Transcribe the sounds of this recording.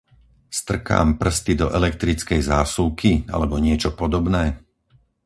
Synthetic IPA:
st̪r̩ka̰ːmpr̩st̪id̪ɔʔɛlɛk̚t̪ɾit͡skɛjzaːsuʊkʰia̰lɛbɔɲɪɛt͡ʃɔpɔd̪ɔbnɛː

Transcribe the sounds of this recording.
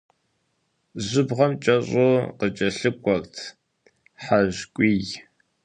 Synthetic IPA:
ʑʷʊbʁɐmt͡ʃʼɐɕʼoːqət͡ʃʼɐɬɨkʷʼɔktʰ | ħaʒkʷʼiːj

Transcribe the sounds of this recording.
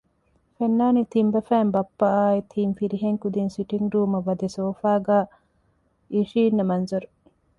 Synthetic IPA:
fenːaːnit̪imbɐfæːmbɐpːɐaːit̪ʰiːmfiɾiɦeŋkud̪insiʈiŋɖuːmɐʋɐd̪esoːfaːɡaː | iʃiːnːɐmɐnzɐɾu

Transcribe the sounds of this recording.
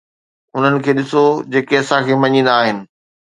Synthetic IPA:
ʊn̤ənɪ̆kʰeːɗɪsod͡ʑeːkeɐsãkʰeːmɐɲĩːn̆d̪aːɦɪnɪ̆

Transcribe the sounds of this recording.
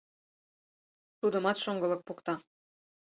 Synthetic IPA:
t̪ud̪ə̆mɑt̪ʃoŋɡɤ̆lɤ̆k̚pokt̪ɑ

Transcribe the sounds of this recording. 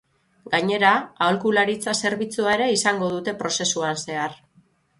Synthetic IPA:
ɡaɲe̞ɾaːolkulaɾit͡sase̞ɾβit͡suaeɾeisaŋɡo̞ð̞ut̪e̞pɾo̞se̞suanse̞ar

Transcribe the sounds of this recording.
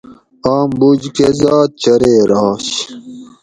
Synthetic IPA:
aːmbud͡ʑkezɑːt̪̚t͡ɕɐɾeːɾɑːɕ

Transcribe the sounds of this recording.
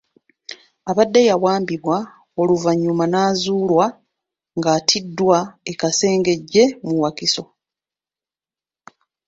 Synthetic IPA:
aβadːejawaːmbiβwa | oluvaɲːumanaːzuːlwa | ŋɡaːtʰidːwae̞kase̞ːŋɡe̞ɟːe̞muwakiso̞

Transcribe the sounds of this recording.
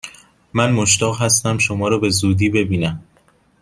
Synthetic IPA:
mænmoʃt̪ɒːɣɦæst̪æmʃomɒːɾɒːbe̞zuːd̪iːbe̞biːnæm

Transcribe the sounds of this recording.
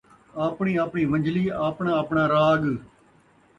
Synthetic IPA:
aːpɳiːaːpɳiːʋə̃ɲd͡ʒʱliːaːpɳãːəpɳãːɾaːɠ

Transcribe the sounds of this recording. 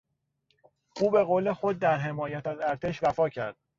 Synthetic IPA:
ʔuːbe̞ɣoːle̞xod̪̚ːæɾɦe̞mɒːjæt̪ʰæzæɾt̪ʰeʃvæfɒːcʰæ̰ɾd̪̥

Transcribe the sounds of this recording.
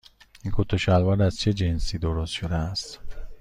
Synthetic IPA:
inkʰut̪ʰoʃælvɒɾæzt͡ʃʰed͡ʒensiːd̪oɾost̪ʃod̪eæst̪

